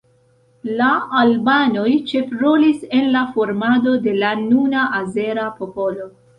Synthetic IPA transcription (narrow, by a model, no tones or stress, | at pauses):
laalbano̞jt͡ʃe̞fɾolise̞nlafo̞ɾmado̞de̞lanunaʔaze̞ɾapo̞po̞lo̞